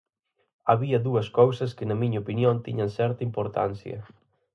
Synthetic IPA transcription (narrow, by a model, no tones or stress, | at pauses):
aβiɐðuɐskowsɐskɪnɐmiɲɐopinjont̪ḭɲɐnsɛɾt̪ɐimpoɾt̪a̰n̟θjɐ̰